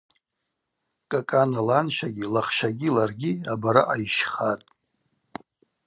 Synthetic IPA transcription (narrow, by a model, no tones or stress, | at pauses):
kʼakʼanalanʃaɡʲilaχʃaɡʲilarɡʲiabaɾaʔajiʃχatʼ